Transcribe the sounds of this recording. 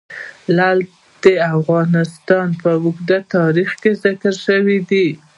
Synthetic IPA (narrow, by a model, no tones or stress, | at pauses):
lal | d̪̥əafɣɑnɪst̪ɑnpəwʊɡd̪at̪ɑɾixkezɪkəɾʃəwid̪i